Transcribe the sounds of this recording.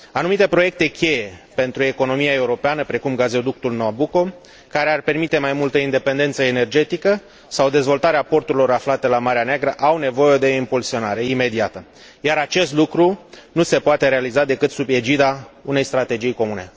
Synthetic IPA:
anumit̪e̞pɾo̞je̞k̚t̪e̞kʲe̞je̞pe̞nt̪ɾue̞ko̞no̞miae̞uɾo̞peanəpɾe̞kumɡazeod̪uk̚t̪ulnoabuko̞ | kaɾe̞arpe̞rmit̪e̞majmult̪əind̪e̞pe̞nd̪e̞nt̪səene̞rd͡ʒe̞t̪ikə | sawd̪e̞zvo̞lt̪aɾeapo̞rt̪uɾilo̞ɾaflat̪e̞lamaɾeaneaɡɾəʔawne̞vo̞je̞d̪e̞impulsio̞naɾe̞ime̞d̪iat̪ə | jaɾat͡ʃe̞st̪lukɾunuse̞poat̪e̞ɾealizad̪e̞kɨt̪sube̞d͡ʒid̪aune̞jst̪ɾat̪e̞d͡ʒijko̞mune̞̰

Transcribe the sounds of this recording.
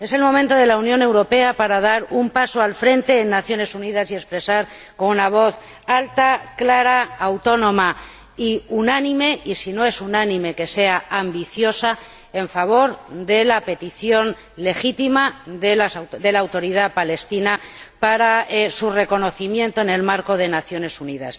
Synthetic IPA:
e̞se̞lmõ̞mẽnt̪o̞ð̞e̞launjõ̞ne̞wɾo̞pe̞apaɾað̞aɾumpaso̞alfɾe̞nt̪e̞ːnːaθjo̞ne̞suniðasie̞spɾe̞saɾ | ko̞nunaβ̞o̞θ | alt̪aklaɾaawt̪o̞nõ̞ma | iunanĩme̞ʔisino̞e̞sunanĩme̞ke̞se̞aambiθjo̞sa | e̞ɱfaβ̞o̞ɾd̪e̞lape̞t̪iθjo̞n | le̞xit̪imaðelasðe̞laːwt̪o̞ɾiðapale̞st̪inapaɾasure̞ko̞no̞θimjẽ̞nt̪o̞ene̞lmaɾko̞ðe̞naθjo̞ne̞suniða̰s

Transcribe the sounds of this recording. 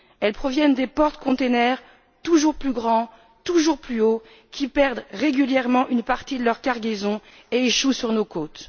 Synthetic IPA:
ɛlpχɔvjɛnd̪epɔʁt̪kɔ̃t̪enɛʁ | t̪uʒuʁplyɡʁɑ̃ | t̪uʒuʁplyo | kʲipɛʁd̪ʁeɡʲyljɛʁmɑ̃ʔynpaʁt̪id̪əlœʁkaʁɡʲezɔ̃ | eeʃusyʁnokot̪

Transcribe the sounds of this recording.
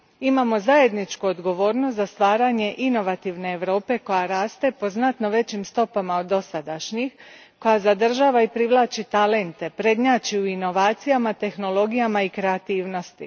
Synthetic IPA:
imamo̞zaje̞d̪nit͡ʃkuod̪ɡo̞ʋo̞ːɾnost̪zast̪ʋaːɾaɲe̞ʔino̞ʋat̪iʋne̞ːʋɾo̞ːpe̞ko̞jaɾaːst̪e̞po̞znat̪no̞ʋe̞t͡ɕimst̪o̞pamaod̪ːo̞sad̪aʃɲix | ko̞jazad̪r̩ʒaːʋaipɾiʋlˠaːt͡ʃit̪ale̞nt̪e̞pɾe̞d̪ɲaːt͡ʃiuino̞ʋaːt̪sijamat̪e̞xno̞lo̞ɡijamaikɾe̞at̪iːʋno̞st̪i

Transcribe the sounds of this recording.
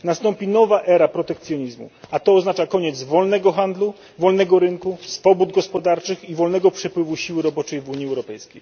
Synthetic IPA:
nast̪ɔmpʲinɔvaʔɛɾapɾɔt̪ɛkt̪sʲjɔɲizmṵat̪ɔːznat͡ʂakɔɲɛd̪zvɔlnɛɡɔxand̪lu | vɔlnɛɡɔɾɘŋkusfɔbud̪ɡɔspɔd̪aɾt͡ʂɘxivɔlnɛɡɔpʂɛpwɘvuɕiwɘɾɔbɔt͡ʂɛjvuɲiɛwɾɔpɛjskʲej

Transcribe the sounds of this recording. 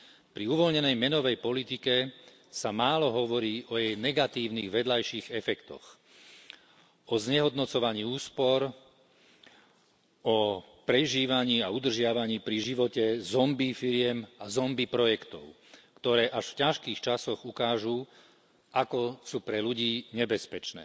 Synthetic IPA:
pɾiuʋɔlɲɛnɛjmɛnɔʋɛjpɔlit̪ikɛ | samaːlɔɦɔʋɔɾiːʔɔjɛjnɛɡat̪iːʊniɣʋɛd̪lajʃiːɣɛfɛkt̪ɔ̰x | ɔzɲɛɦɔd̪nɔt͡sɔʋaɲiːuːspɔɾ | ɔ | pɾɛʒiːʋaɲiːaud̪r̩ʒɪaʋaɲiːpɾiʒiʋɔcɛzɔmbifiɾɪɛmazɔmbipɾɔjɛkt̪ɔ̰ʊ | kt̪ɔɾɛːʔaʃfcaʃkiːxt͡ʃasɔɣukaːʒu | ʔakɔsuːpɾɛluɟiːɲɛbɛspɛt͡ʃnɛ̰ː

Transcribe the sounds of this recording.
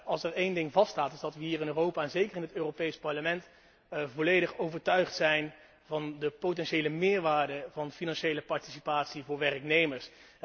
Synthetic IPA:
ɑlˠsɛɹejndɪŋvɑstaːtɪzdɑtʋəɦiːrɪnøːrowpaːɛnzejkərɪnɦətøːrowpejspɑɹləmɛnt | vɔlejdəχowvəɹtœɥχtsɛjn | vɑndəpowtɛnʃejləmɪːɹʋaːɹdəvɑnfinɑnʃejləpɑɹti̥si̥paːtsivʊːɹʋɛrəknejməɹs

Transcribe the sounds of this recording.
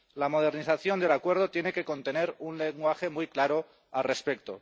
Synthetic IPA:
lamo̞ð̞e̞ɾniθaθjo̞nd̪e̞lakwe̞ɾð̞ot̪je̞ne̞ke̞ko̞nt̪e̞ne̞ɾunleŋɡwaxe̞mujklaɾo̞ | alre̞spe̞kt̪o̰

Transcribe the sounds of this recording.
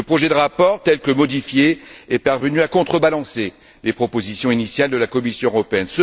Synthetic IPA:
əpχɔʒɛd̪əʁapɔʁt̪ɛlkəmɔd̪ifjeɛpaʁvənyakɔ̃t̪χəbalɑ̃se | lepχɔpozisjɔ̃inisjald̪əlakɔmisjɔ̃øʁɔpeɛnsə

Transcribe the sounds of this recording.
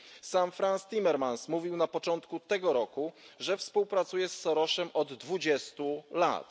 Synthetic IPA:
samfɾanst̪ʲimɛɾmansmuvʲiwnapɔt͡ʂɔnt̪kut̪ɛɡɔɾɔkuʐɛfspuwpɾat̪sujɛsːɔɾɔʂɛmʔɔd̪ːvud͡ʑɛst̪ula̰t̪

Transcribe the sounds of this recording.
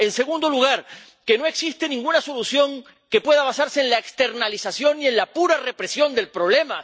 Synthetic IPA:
e̞nse̞ɣund̪o̞luɣ̞aɾ | ke̞no̞e̞ksist̪e̞nĩŋɡunaso̞lusjo̞ŋ | ke̞pwe̞ðaβ̞asaɾse̞ːnlaekst̪e̞ɾnalisasjo̞nie̞nlapuɾare̞pɾe̞sjo̞nd̪e̞lpɾo̞β̞le̞ma

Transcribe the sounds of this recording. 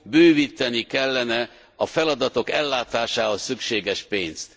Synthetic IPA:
bøːviːt̪ɛnikɛlːɛnɛ | ɒfɛlɒd̪ɒt̪o̞kɛlːaːt̪aːʃaːɦosːykʃeːɡɛʃpeːnst̪

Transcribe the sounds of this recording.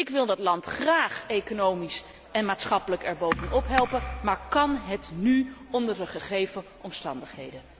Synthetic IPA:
ɪkʋɪlˠdɑtlɑntχraːχejkonowmis | ɛnmaːtsχɑpələkɛɹbowvənʔɔpɦɛlˠpəmaːɹkɑnɦətnyɔndəɹdəχəχejvəʔɔmstɑndəχɦejdə

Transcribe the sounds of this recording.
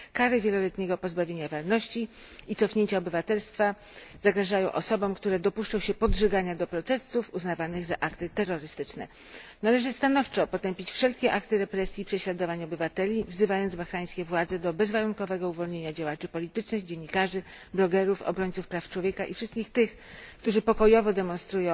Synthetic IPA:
kaɾɘvʲjɛlɔlɛt̪ɲɛɡɔpɔzbavʲjeɲavaɾnɔɕt͡ɕi | it̪sɔfɲeɲt͡ɕaɔbɘvat̪ɛlst̪fa | z̥aɡɾaʐajɔ̃w̃ʔɔsɔbɔ̃w̃kt̪uɾɛd̪ɔpuʂt͡ʂɔ̃w̃ɕɛpɔdʐɛɡaɲad̪ɔpɾɔt̪ɛsufuznavanɘɣzaʔakt̪ɘt̪ɛɾːɔɾɘst̪ɘt͡ʂnɛ̰ | nalɛʐɘst̪an̪ɔft͡ʂɔpɔt̪ɛmpʲit͡ɕfʂɛlkʲɛʔakt̪ɘɾɛpɾɛsʲjipʂɛɕlad̪ɔvaɲɔbɘvat̪ɛlʲivzɘvajɔnd̪zbaxɾaj̃skʲɛvwad̪zɛd̪ɔbɛzvaɾunkɔvɛɡɔuvɔlɲeɲad͡ʑawat͡ʂɘpɔlʲit̪ɘt͡ʂnɘɣd͡ʑeɲːikaʐɘ | blɔɡɛɾufɔ̰bɾɔɲt̪sufpɾaft͡ʂwɔvʲjekaʔifʂɘst̪̚kʲixt̪ɘx | kt̪uʐɘpɔkɔjɔvɔd̪ɛmɔ̃nst̪ɾujɔ̃w̃

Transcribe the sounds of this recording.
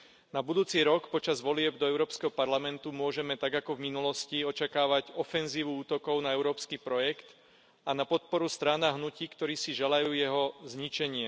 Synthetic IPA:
nabud̪uːt͡siɾɔkpɔt͡ʃazʋɔlɪɛbd̪ɔɛʊɾɔːpskɛɦɔpaɾlamɛnt̪umʊɔʒɛmɛt̪aɡakɔvminulɔsciɔt͡ʃakaːʋaɟɔfɛnziːʋuuːt̪ɔkɔʊnaɛʊɾɔːpskiːpɾɔjɛkt̪ | anapɔt̪̚pɔɾust̪ɾaːnaɦnuciːkt̪ɔɾiːsiʒalajuːjɛɦɔzɲit͡ʃɛɲɪɛ

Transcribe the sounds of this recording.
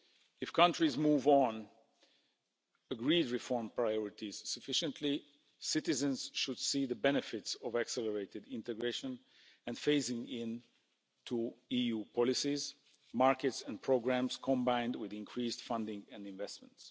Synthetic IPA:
ɨfkʰʌ̃ntɹizmuːvn | əɡɹidɹɨfɔɹmpɹajɔɹɪtiz̥sɨfɪʃə̃ntʰli | sɪtɨzə̃nz̥ʃʊd̥siðəbɛnɨfɪtsɔvæksɛləɹeɪtɨdɪ̃ntɨɡɹeɪʃə̃n | ɛ̃nfeɪsɪ̃ŋɪ̃n | tʰuijupʰɔlɪsiz | maɹkɨtsɛ̃npʰɹ̥oɡɹæ̃mskʰɔ̃mbãɪ̃ndwɪðɪ̃nkʰɹiːstfʌ̃ndɪ̃ŋɛ̃nɪ̃ɱvɛst̚mə̃nts

